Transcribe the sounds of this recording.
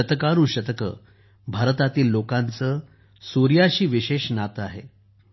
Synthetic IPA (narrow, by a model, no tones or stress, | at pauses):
ət̪əkaɾũːɕət̪əkə̰ | bʱaɾət̪at̪iːlːokãnt͡səː | suɾjaɕiːʋiɕeɕnat̪əaɦe